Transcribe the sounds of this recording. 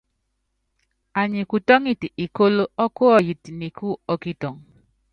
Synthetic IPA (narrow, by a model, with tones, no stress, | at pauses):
a˨ɲi˨ku˨tɔ˦ŋi˦ti˨i˨ko˦lo˦ɔ˦ko˦ɔ˨ji˨ti˨ni˨kʰu˦ɔ˨ki˦tɔ˨ŋ